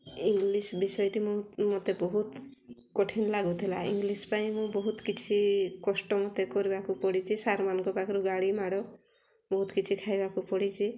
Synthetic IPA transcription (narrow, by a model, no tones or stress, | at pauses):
iŋɡlisbisɔjɔʈimũmot̪ebɔɦut̪kɔʈʰinlaɡut̪ʰila̰ḭŋɡlispaĩmũbɔɦut̪kit͡ʃʰikɔsʈɔmot̪ekɔɾibakupɔɽit͡ʃʰisaɾmanɔ̃ŋkɔpakɔɾuɡaɽimaɽɔ | bɔɦut̪kit͡ʃʰikʰajbakupɔɽit͡ʃʰi